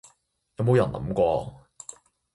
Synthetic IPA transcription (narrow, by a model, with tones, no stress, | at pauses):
jɐ˨˧wmo˨˧wjɐ˨˩nlɐ̰˨˥mkʷɔː˧